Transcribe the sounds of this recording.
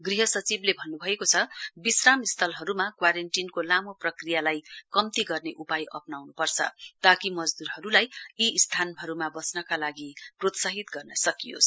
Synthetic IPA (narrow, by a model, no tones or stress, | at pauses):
ɡriɦʌsʌt͡siblebʱʌnːubʱʌekot͡sʰʌbisramist̪ʰʌlɦʌɾumakwaɾenʈinkolamoprʌkrijalajkʌmt̪iɡʌrneʔupajʔʌ̰pnawnupʌrt͡sʰʌ̰t̪akimʌd͡zd̪uɾɦʌɾulajiːst̪ʰanɦʌɾumabʌsnʌkalaɡiprot̪saɦit̪ɡʌrnʌsʌkijo̰sʰ